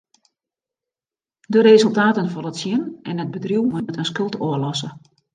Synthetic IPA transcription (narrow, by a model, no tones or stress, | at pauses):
dərezəlˠtaːtənfɔnətsjɪnɛnɦəd̚bədriwməətənskɵlˠtoəlɔsə